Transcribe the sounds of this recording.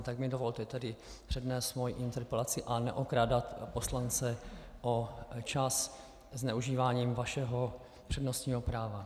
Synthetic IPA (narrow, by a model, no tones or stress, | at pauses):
t̪aɡmɪdo̞vo̞lt̪ɛt̪ɛdɪpr̥ɛdnɛːst̪mojiʔɪnt̪ɛɾpɛlat͡sɪʔanɛʔokɾaːdat̪po̞slant͡sɛʔot͡ʃas | znɛuʒiːvaːɲiːmvaʃɛɦo̞ | pr̥ɛdnost̪ɲiːɦo̞pɾaːva